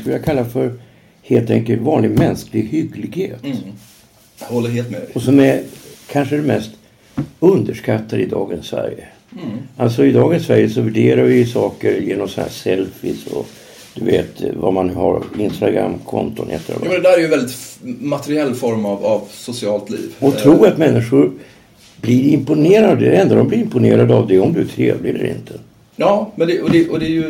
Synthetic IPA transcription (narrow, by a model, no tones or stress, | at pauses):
skɵljakʰalːafœɾ | heːlt̪ʰɛŋkəlt̪vɑːnlɪɡmɛnsklɪɡhʏɡlɪɡheːt̪ | hɔlːəɾɦeːlt̪mɛɔsɔmɛkʰanʂəɛd̪ɛmɛst̪ | ɵnd̪əʂkat̪ʰːad̪əɪd̪ɑːɡənsvæ̰ɾjə | ʔalsɔɪd̪ɑːɡənsvæɾjəsɔvæɖeːɾaɾvɪjsɑːkəɾjeːnɔmsɔnhæ̰ːsɛlfɪsɔ̰ | d̪̥ɵveːt̪vamanːʉːhaɾɪnst̪aɡɾa̰mːkʰɔnt̪ʊnɛ̰t̪ːəɾɔːmɛnd̪ɛd̪æɾɛɾjəvɛld̪ɪt̪mat̪ɛɾɪɛlːfɔɾmavavsʊsɪɑːlt̪lḭːvɔt̪ʰɾuːɾat̪mɛnːɪʂʊɾ | blɪɾɪmpʊneːɾad̪əɛnd̪ɾad̪ɔmblɪɾɪmpʊneːɾad̪əavd̪ɛɔmd̪ɵæʈʰɾeːvlɪɛlːəɾʔɪ̰nt̪ʰə | ɑːmɛnd̪ɛʔɔd̪ɛʔɔd̪ɛjɵ